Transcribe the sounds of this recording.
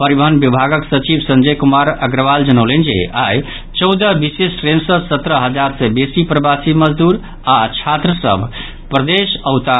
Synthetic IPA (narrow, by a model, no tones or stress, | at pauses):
pəɾibəɦənbibʱaɡəksət͡ʃibsə̃nd͡ʒəjkumaɾəɡɾəʋald͡ʒənəwlend͡ʒḛa̰j | t͡ʃəwd̪əbisesʈɾensəsət̪ɾəɦəd͡ʒaɾsebesipɾəbasiməd͡ʒd̪uɾ | at͡ʃʰat̪ɾəsə̰bʱ | pɾəd̪esəwt̪a